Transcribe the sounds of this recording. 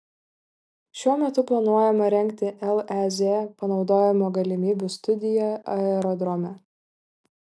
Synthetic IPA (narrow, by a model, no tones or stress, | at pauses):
ʃʲuɔmʲɛt̪ʊplˠɐnuɔjɛmɐɾʲɛŋʲkt̪ʲɪʔɛlˠɛzʲepɐnɒʊd̪oːjɛmoːɡɐlʲɪmʲiːbʲust̪ʊd̪ʲɪjɛɐɛɾɔd̪ɾɔmʲɛ